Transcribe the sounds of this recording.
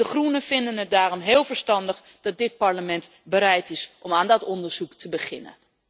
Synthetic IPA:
əχrunəvɪndənɦət̚daːrɔmɦeːlˠvəɹstɑndəχ | dɑt̚dɪt̚pɑɹləmɛnt | bəɾɛjtɪsʔɔmaːndɔtɔndəɹz̥uktʰəbəχɪ̰nə̰

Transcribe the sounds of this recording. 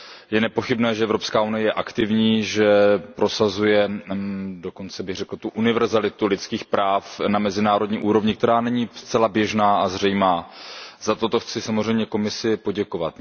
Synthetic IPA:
jɛnɛpo̞xɪbnɛːʒɛɛvɾo̞pskaːunɪjɛjɛʔakt̪ɪvɲiːʒɛpɾo̞sazujɛ | do̞ko̞nt͡sɛbɪɣrɛkl̩t̪uʔunɪvɛɾzalɪt̪ulɪt͡skiːxpɾʔaːfnamɛzɪnaːɾo̞dɲiːʔuːɾo̞vɲɪkt̪ɛɾaːnɛɲiːst͡sɛlabjɛʒnaːazr̝ɛjmaːzat̪o̞t̪o̞xt͡sɪsamozr̝ɛjmɲɛko̞mɪsɪpo̞ɟɛko̞vat̪

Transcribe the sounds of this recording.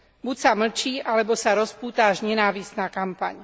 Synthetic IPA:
bucsaml̩t͡ʃiːʔalɛbɔsaɾɔspuːt̪aaʒɲɛnaːʋisnaːkampa̰ɲ

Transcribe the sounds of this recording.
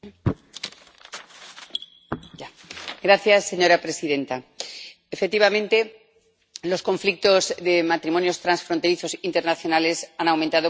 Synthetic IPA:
a | ɡɾaθjasːe̞ɲo̞ɾapɾe̞siðẽ̞nt̪aefek̚t̪iβamẽ̞nt̪e̞ | lo̞sko̞ɱflik̚t̪o̞zðe̞mat̪ɾimo̞njo̞st̪ɾansfɾo̞nt̪e̞ɾiθo̞sint̪e̞ɾnaθjo̞nale̞sanawmẽnt̪aðo

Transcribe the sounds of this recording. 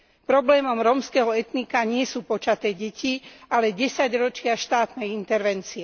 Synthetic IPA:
pɾɔblɛːmɔmɾɔmskɛɦɔɛt̪nikaɲɪɛsuːpɔt͡ʃat̪ɛːɟɛcialɛɟɛsaɟɾɔt͡ʃɪaʃt̪aːt̪nɛjint̪ɛɾʋɛnt͡siɛ

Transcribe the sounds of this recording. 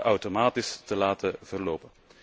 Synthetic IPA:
ʔɑwtomaːtɪstəlaːtəvərloːwpən

